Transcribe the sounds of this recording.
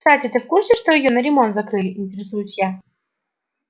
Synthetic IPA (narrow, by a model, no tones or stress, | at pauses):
satʲɪt̪ɨfkursʲɪʂt̪oɪjonəɾʲɪmont̪zɐkɾɨlʲɪɪnʲtʲɪɾʲɪsujʊt͡ɕja